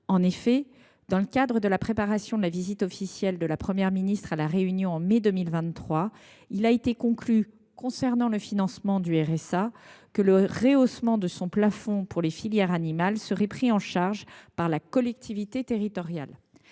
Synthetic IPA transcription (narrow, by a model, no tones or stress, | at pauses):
ɑ̃nefɛ | d̪̥ɑ̃ləkad̪ʁəd̪əlapχepaʁasjɔ̃d̪əlavizit̪ɔfisjɛld̪əlapχəmjɛʁminist̪χalaʁeynjɔ̃ɑ̃med̪əmilvɛ̃t̪t̪ːχwa | ilaet̪ekɔ̃kly | kɔ̃sɛʁnɑ̃ləfinɑ̃smɑ̃d̪yɛʁɛsakələʁeosmɑ̃d̪əsɔ̃plafɔ̃puʁlefiljɛʁanimalsəʁɛpχiɑ̃ʃaʁʒpaʁlakɔlɛk̚t̪ivit̪et̪eʁit̪ɔʁja̰l